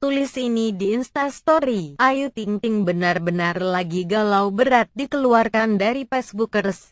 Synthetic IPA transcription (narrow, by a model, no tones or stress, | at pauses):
t̪ulɪsinidiːnst̪ast̪ɔɾiʔajut̪iŋt̪ɪŋbənarbənarlaɡiɡalawbəɾat̪̚dikəluarkandaɾipɛsbukərs